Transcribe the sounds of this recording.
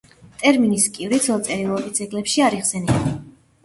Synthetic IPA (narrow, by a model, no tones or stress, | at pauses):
t̪ʼɛɾminiskʼivɾit̪sʰɔlˠt̪sʼɛɾilˠɔɡisʰɛɡlɛpʃiaɾiχsɛni